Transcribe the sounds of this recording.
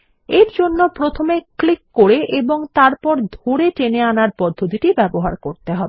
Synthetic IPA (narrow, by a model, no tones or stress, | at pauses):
eɾd͡ʑonːopɾot̪ʰomeklikːoɾeʔeboŋt̪aɾpɔɾd̪ʱoɾeʈeneanaɾpɔd̪ʱːot̪̬iʈibɛboɦaɾkoɾt̪eɦɔbe